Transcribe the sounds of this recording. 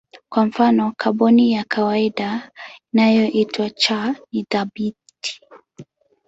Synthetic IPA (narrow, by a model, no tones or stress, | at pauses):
kwaɱ̩fanɔkʰaɓɔnijakʰawaiɗainajɔʔitwat͡ʃaniðaɓiti̥